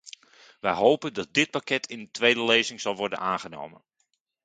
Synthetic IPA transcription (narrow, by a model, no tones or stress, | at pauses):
ʋɛjɦowpəndɑt̚dɪt̚pakɛtʰɪndətʋejdəlejzɪŋz̥ɑlˠʋɔrdə̰naːnχəno̰wmə̰n